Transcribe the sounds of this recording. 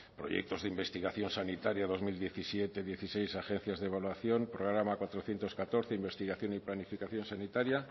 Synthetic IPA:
pɾo̞̰jḛk̚t̪o̞zðeimbe̞st̪iɣaθjo̞nsanit̪aɾjaðo̞zmild̪je̞θisjet̪e̞ðje̞θisejsaxe̞n̟θjazðeβalwaθjo̞mpɾoɣɾamakwat̪ɾoθjent̪o̞skat̪o̞ɾθeimbe̞st̪iɣaθjo̞niplanifikaθjo̞nsanit̪aɾja

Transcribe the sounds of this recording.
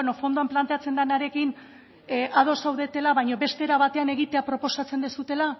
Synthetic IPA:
nofo̞nd̪oamplant̪e̞at͡se̞nd̪anaɾe̞kin | ʔað̞o̞sawðe̞t̪e̞laβajɲo̞βe̞st̪e̞ɾaβat̪e̞ane̞ɣit̪eapɾo̞po̞sat͡se̞nd̪esut̪e̞la

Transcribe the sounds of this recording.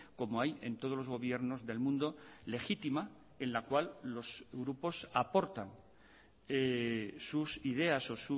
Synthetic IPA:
ko̞moaje̞̰nt̪o̞ð̞o̞lo̞zɣo̞β̞je̞ɾno̞zðelmũnd̪o̞le̞xit̪ima | e̞nlakwalːo̞sɣɾupo̞sapo̞ɾt̪aŋ | esusiðe̞aso̞su

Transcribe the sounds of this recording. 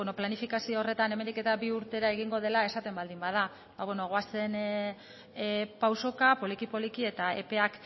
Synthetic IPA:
noplanifikasioore̞t̪aneme̞nd̪ike̞t̪abiuɾt̪e̞ɾae̞ɣ̞iŋɡo̞ð̞e̞lae̞sat̪e̞mbald̪imbað̞a | baβwe̞no̞ɣoase̞n | pawso̞kapo̞likipo̞likie̞t̪aepe̞ak

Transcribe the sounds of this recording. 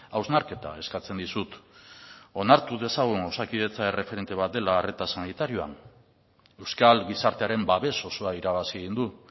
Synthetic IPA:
awznaɾke̞t̪a̰e̞skat͡se̞nd̪isut̪ | o̞naɾt̪uðe̞saɣ̞uŋawsakiðe̞t͡sae̞re̞fe̞ɾe̞nt̪e̞β̞at̪̚d̪e̞laːret̪asanit̪aɾioa̰n | e̞wskalɡisaɾt̪e̞aɾe̞mbaβe̞so̞so̞aiɾaβasieɣ̞ind̪u

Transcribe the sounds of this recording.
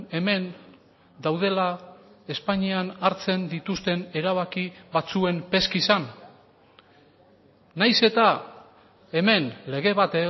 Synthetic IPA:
e̞me̞n | d̪awð̞e̞lae̞spaɲianaɾt͡se̞nd̪it̪ust̪e̞ne̞ɾaβ̞akiβat͡sue̞mpe̞skisan | ajse̞t̪a | e̞me̞nle̞ɣe̞βat̪e

